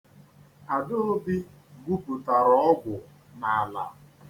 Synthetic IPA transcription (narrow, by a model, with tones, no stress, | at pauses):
a˨dʊ˦ʊ˦bɪ˦ | ɡu˦pu˨ta˨ɾɔ˦ɔ˦ɡʷʊ˨ | na˨la̰˨